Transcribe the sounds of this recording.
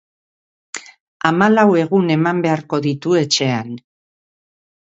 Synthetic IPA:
amalawe̞ɣune̞mambe̞aɾko̞ðit̪ue̞t͡ʃe̞an

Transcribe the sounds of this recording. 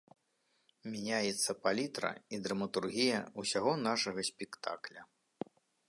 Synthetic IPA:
mʲɛnʲajɛt̪sːɐpalʲit̪ɾɐ̰id̪ɾɐmɐt̪urɣʲijɐusʲaɣɔnaʂɐɣɐsʲpʲɛkt̪a̰klʲɐ

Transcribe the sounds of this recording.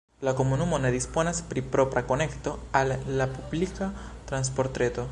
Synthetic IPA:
lakomunumonaðisponaspɾipɾopɾakonekt̪oalːapublikat̪ɾans̬poɾt̪ɾet̪o

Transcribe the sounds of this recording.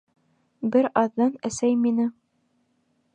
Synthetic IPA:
bɘɾɑðːɑnæsæjminɘ

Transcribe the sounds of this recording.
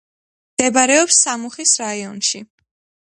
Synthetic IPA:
md̪̥ɛbaɾɛɔpsːamuχisɾaiɔnʃi

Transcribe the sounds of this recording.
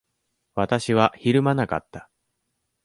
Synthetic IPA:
βat̪aɕiβaçiɾɯ̟manaka̰t̪ːḁ

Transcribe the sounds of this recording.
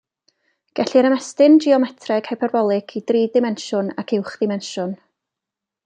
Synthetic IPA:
ɡ̥ɛɬiɾəmɛstɪnd͡ʒiɔmɛtʰrɛɡ̥hapʰɛrbɔlˠɪkʰidriːdɪmɛnʃʊna̰kʰɪwχðɪmɛnʃʊn

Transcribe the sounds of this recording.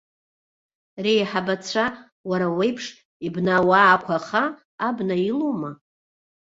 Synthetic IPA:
rejħabat͡sʷʰa | waɾawejpʰʂ | ibnawaːkʷʰaχaː | bnailoma

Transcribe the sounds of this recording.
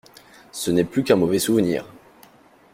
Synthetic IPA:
sənɛplykɛ̃mɔvɛsuvnḭːʁ

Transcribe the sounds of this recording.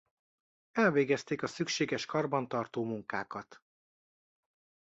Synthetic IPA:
ɛlveːɡɛst̪eːkɒsykʃeːɡɛʃkɒrbɒnt̪ɒrt̪oːmuŋkaːkɒt̪

